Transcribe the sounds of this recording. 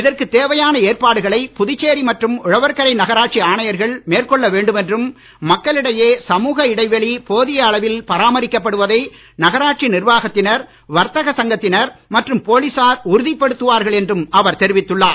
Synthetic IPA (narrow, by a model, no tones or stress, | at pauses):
ɪðɐrkɯt̪eːʋɐjaːnɐeːrpaːɽɯɣɐɭɐɪpʊðɪt͡ʃːeːɾimɐʈrɯmʊɻɐʋɐɾkɐɾɐɪnɐɣɐɾaːʈ̚t͡ʃiaːɳɐjɐɾɣɐɭmeːrkɔɭːɐʋeːɳɖɯmɛndrɯmː | ɐkːɐɭɪɽɐjeːsɐmuːɣɐɪɽɐɪʋɛɭipoːðɪjɐːɭɐʋɪlpɐɾaːmɐɾɪkːɐpːɐɽɯʋɐðɐɪ | nɐɣɐɾaːʈ̚t͡ʃinɪɾʋaːɣɐt̪ːɪnɐɾ | ʋɐɾt̪ɐɣɐsɐŋɡɐt̪ːɪnɐɾmɐʈrɯmpoːlisaːɾʊɾʊðɪpːɐɽɯt̪ːɯʋaːɾɣɐɭɛndrɯmɐʋɐɾt̪ɛɾɪʋɪt̪ːɯɭːaː